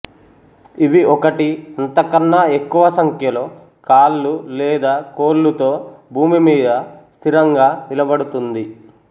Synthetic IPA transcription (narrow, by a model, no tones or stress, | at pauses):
iʋiʔɔkɐʈiɐnt̪ɐkɐnːɐe̞kːuʋɐsɐŋkʰjɐlo̞ː | kaːlːulɛːd̪aːkoːlːut̪o̞ːbʱuːmimiːd̪ɐst̪ʰiɾɐŋɡaːnilɐbɐɽut̪und̪i